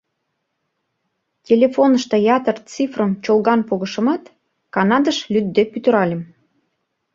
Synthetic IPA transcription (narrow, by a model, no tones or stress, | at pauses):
tʲelʲefonəʃt̪ɤ̆jɑt̪ərt͡sifrəmt͡ɕolɣɑnpoɣə̆ʃɤ̆mɑt̪ | kɑnɑd̪əʃlʲyd̪d̪epyt̪ə̆ɾɑlʲem